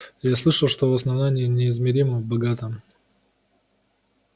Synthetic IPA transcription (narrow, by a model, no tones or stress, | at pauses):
jaslˠɨʂəlˠʂt̪ovɐsnɐvnanʲɪːnʲɪɪzmʲɪɾʲiməbɐɡat̪əm